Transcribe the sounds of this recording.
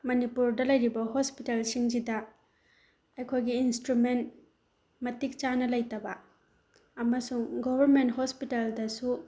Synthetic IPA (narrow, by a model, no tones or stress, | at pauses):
mɐnipuɾdɐlɐjɾibɐɦospitelsiŋd͡ʒidɐ | ejkʰojɡiːnstɾument̚ | mɐtik̚t͡ʃanɐlɐjtɐbɐ | ɐmɐsuŋɡobʱɐɾmenthospiteldɐsu